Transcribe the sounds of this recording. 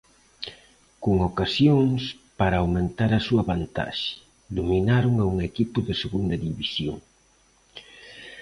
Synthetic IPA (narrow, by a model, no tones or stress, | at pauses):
kuŋokasjoŋs | paɾɐːwmẽnt̪aɾɐsuɐβant̪a̰ʃɪ̥ | d̪ominaɾʊŋauŋekipʊðɪseɣund̪ɐðiβisjo̰ŋ